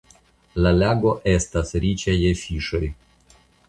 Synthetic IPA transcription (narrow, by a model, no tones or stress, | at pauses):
lalʲaɡoʔest̪asɾʲit͡ʃajefiʃoj